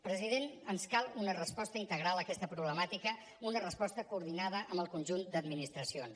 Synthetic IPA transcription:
pɾəzið̞enənskalˠunərəspɔst̪əint̪əɣɾalˠəkɛst̪əpɾuβləmat̪ikə | unərəspɔst̪əkuːɾðinað̞əʔəmbəlˠkunʲʒund̪əd̪minist̪ɾəsions

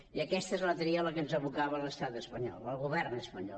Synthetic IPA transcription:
iəkɛst̪əezlət̪ɾiələkənzəβukaβələst̪at̪əspəɲɔ̰lˠəlˠɣuβɛrnəspəɲɔ

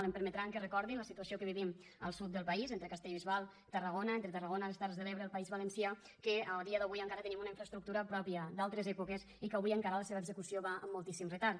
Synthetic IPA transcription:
ləmpəɾmət̪ɾaŋkərəkɔɾðinləsit̪uəsiokəβiβim | əlˠsut̪̚d̪əlˠpəizent̪ɾəkəst̪eʎβizβalˠ | t̪ərəɣonəent̪ɾət̪ərəɣ̞onəiləst̪arzðəleβɾəlˠpəizβələnsia | kəəlˠd̪iəðəβujəŋkaɾət̪ənimunəiɱfɾəst̪ɾuk̚t̪uɾəpɾɔpiəd̪alˠt̪ɾəzɛpukez | ikəβujəŋkaɾələseβəɡzəkusioβaə̰mːulˠt̪isimrət̪aɾ

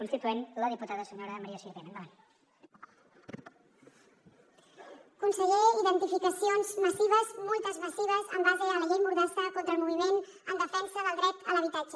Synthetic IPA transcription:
kunst̪it̪uenləðiput̪aðəsəɲoɾəmaɾiaʃiɾβenaŋa | kunsəʎeiðənt̪ifikəsionzməsiβ̞əzmolˠt̪əzməsiβ̞əzəmbazeðələʎejmuɾðɛst̪əkont̪ɾəlˠmuβ̞imen | ənd̪əfɛnsəðəlˠd̪ɾɛt̪ələβit̪ad͡ʒə

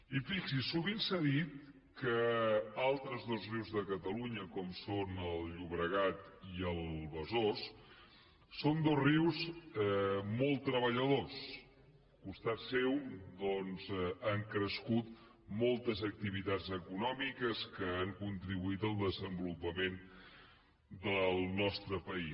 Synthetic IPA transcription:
ifiksisuβinsaðit̪̚ | kəalˠt̪ɾəzðozriwzðəkət̪əluɲəkɔmsonəlˠʎuβɾəɣat̪iəlˠβəzosː | ond̪ozriwzɛmolˠt̪ːɾəβəʎəðos | kust̪at̪sɛwd̪ɔnzaŋkɾəskut̪ | mɔlˠt̪əzək̚t̪iβit̪azəkunɔmikəskəaŋkunt̪ɾiβuit̪əlˠd̪əzəmbulupəmen | d̪əlˠnɔst̪ɾəpəi

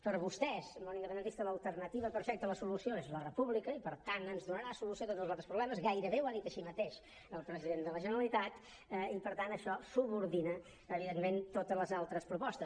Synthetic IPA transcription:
pəɾβust̪ɛzmonind̪əpənd̪ənt̪ist̪ələlˠt̪əɾnət̪iβəpəɾfɛk̚t̪ələsulusioezlərəpuβlikəipəɾt̪anənzðunəɾasulusiot̪ot̪zlˠzalˠt̪ɾəspɾuβlɛməzɣajɾəβewaðit̪əʃimət̪eʃ | əlˠpɾəziðend̪ələʒənəɾəlit̪at̪ | ɛipəɾt̪anəʃɔsuβuɾðinə | əβiðenment̪ot̪əzləzalˠt̪ɾəspɾupɔst̪əs

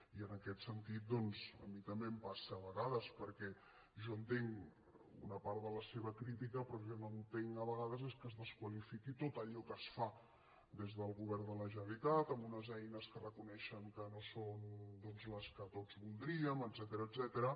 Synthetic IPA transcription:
iənəkɛt̪sənt̪it̪̚d̪ɔnzə̰mit̪əmbempasəːβəɣaðəspəɾkɛ | ʒɔənt̪eŋ | ṵnəpaɾt̪ðələseβəkɾit̪̬ikəpɾɔʒɔnoənt̪eŋəβəɣað̞əzeskəzðəskwəlifikit̪ot̪əʎɔkəsfa | d̪ezðəlˠɣuβɛɾnd̪ələʒənəɾit̪at̪əmbunəzɛjnəskərəkunɛʃəŋkənosond̪ɔnzləskət̪od͡zβulˠd̪ɾiəməd̪zɛt̪əɾəːd̪zɛt̪əɾə

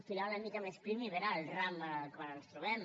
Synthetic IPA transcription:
filalamikamespɾimiβeɾaːlramakwanənst̪ɾuβɛm

